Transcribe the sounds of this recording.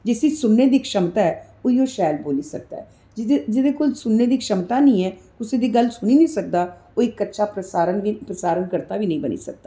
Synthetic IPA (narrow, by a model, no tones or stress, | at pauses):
d͡ʒɪsiːsʊnːeːd̪iːkʃəmt̪aːɛː | oiːoːʃɛːlboːliːsək̚d̪a̰ɦɛː | d͡ʒd͡ʒɪd̪eːkoːlsʊnːeːd̪iːkʃəmt̪aːnəĩːɛːkʊsẽːd̪iːɡəlsʊniːnə̃ːsək̚d̪aːoːɪkːətːʃʰaːpɾəsaːɾənʋiːpɾəsaːɾənkəɾt̪aːʋiːnəĩːbənḭːsək̚d̪aː